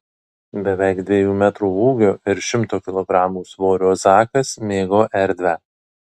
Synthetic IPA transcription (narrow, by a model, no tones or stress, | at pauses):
bʲɛʋʲæɪkd̪ʲʋʲeːjuːmʲæt̪ɾuːuːɡʲoːʔɪɾʃʲɪmt̪oːkʲɪlˠɔɡɾɑːmuːsʋoːɾʲoːzɑːkɐsmʲeːɡoːʔɛɾʲd̪ʲʋʲæ